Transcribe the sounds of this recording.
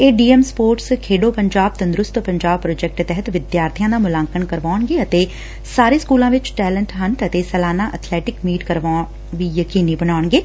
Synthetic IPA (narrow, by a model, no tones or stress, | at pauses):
eːɖiːɛmspoːɾʈskʰeːɖoːpəɲd͡ʒaːb̚t̪ənd̪ɾʊst̪pəɲd͡ʒaːb̚pɾoːd͡ʒɛk̚ʈt̪ɛɦət̪ʋɪd̪jaːɾt̪ʰɪjãːd̪aːmʊlãːŋkənkəɾʋaːɳɡeːət̪eː | saːɾeːskuːlãːʋɪt͡ʃʈɛːləɳʈɦənt̪ət̪eːsɛːlaːnaːʔət̪ʰlɛːʈɪkmiːʈkəɾʋa | ʋiːjəkiːniːbəɳaːɳɡeː